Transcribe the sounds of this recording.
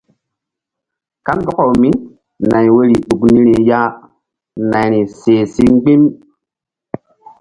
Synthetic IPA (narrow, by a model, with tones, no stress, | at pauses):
ka˦nɡɔ˦ko˨wmi˦ | na˨jwe˦ɾi˨ɗu˨kni˦ɾi˨ja˦ | na˨jɾi˨se˨si˦ŋ˦ɡ͡bi˦m